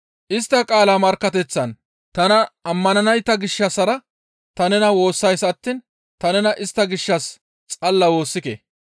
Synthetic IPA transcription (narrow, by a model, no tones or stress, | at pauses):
ʔɪst̪ːɐkʼaːlamɐɾkːɐt̪ɛt͡sːɐn | t̪ɐnɐːmːɐnɐnɐjt̪ːɐɡɪʃːɐsɐɾɐ | t̪ɐnɛnɐwo̞ːsːɐjsɐt̪ːiːn | t̪ɐnɛnɐʔɪst̪ːɐɡɪʃːɐs | t͡sʼɐlːɐwo̞ːsːɪkḛ